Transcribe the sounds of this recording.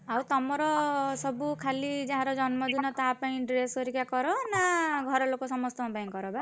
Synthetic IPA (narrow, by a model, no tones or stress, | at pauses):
awt̪ɔmɔɾɔsɔbukʰalid͡ʒãɦãɾɔd͡ʒɔnmɔd̪inɔt̪apaĩɖɾesoɾikakɔɾɔnaɡʱɔɾɔlokosɔmɔst̪ɔɔ̃bãĩŋkɔɾɔba